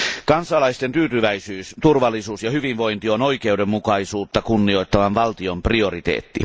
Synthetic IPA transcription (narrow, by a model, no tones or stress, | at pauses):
kɑnsɑlɑist̪ent̪yːt̪yʋæisyːst̪urʋɑlːˑisuːsjɑhyʋinʋo̞int̪ionoike̞udemːukɑisuːt̪ːɑkunːio̞it̪ːɑʋɑnʋɑlt̪iomprio̞rit̪ḛːt̪ːḭ